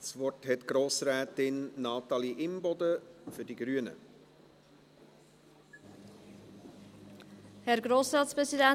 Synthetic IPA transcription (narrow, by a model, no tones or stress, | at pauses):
svɔrthɛtɡ̥ɾoːsɾɛːtɪnːɑːtɑliʔɪmbɔdəfʏdiɡɾyːənə̰ | hɛɾɡɾoːsɾɑːtspʁɛsidɛ